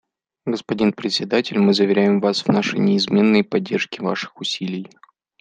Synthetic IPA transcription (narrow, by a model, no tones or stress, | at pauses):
ɡəspɐdʲinpɾʲɪt̪ʲsʲɪd̪atʲɪlʲmɨzəvʲɪɾʲæjɪmvasvnaʂɨ̰jnʲɪːzmʲe̞nːɨjpɐdʲːe̞rʂkʲɪva̰ʂɨ̥xʊsʲilʲɪj